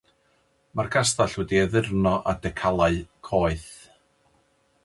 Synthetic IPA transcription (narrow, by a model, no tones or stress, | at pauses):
markʰastaɬwɛdiɛðɪrnɔʔadɛkʰalˠaɨkʰɔːɨθ